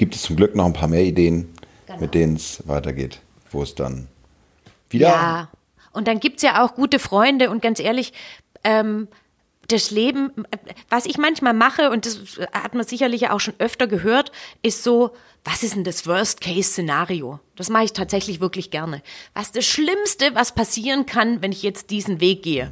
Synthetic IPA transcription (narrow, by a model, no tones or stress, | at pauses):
ɡ̥iːp̚təst͡sʊmɡlʏknɔχnpʰaːɐmeːɐideːən̥ | mɪt̚d̥eːnənsva̰ɪtɐɡḛːt | v̥o̰ːɛsd̥a̰n | viːdː | ʔʊnt̚d̥anɡiːp̚tsjaːʔaʊxɡ̥uːtəfʁ̥ɔʏndəʊnt̚ɡ̥ant͡sʔeːɐlɪç | ʔɛːm | d̥asleːbm̩vasɪçmançmaːlmaχəʊnt̚d̥asha̰tmɐzɪçɐlɪçja̰ːʔaʊxʃoːnʔœftɐɡəɦøːɐtʔɪstz̥oː | v̥asʔɪstn̩dasv̥œɐstkʰɛɪst͡senaːʁiod̥asmaχəɪçtʰaːtz̥ɛçlɪçv̥ɪɐklɪçɡ̥ɛɐnəvassd̥asʃlɪmstəvaspʰasiːʁənkʰanvɛnɪçjɛt͡st̚d̥iːzn̩veːk̚ɡ̥eːə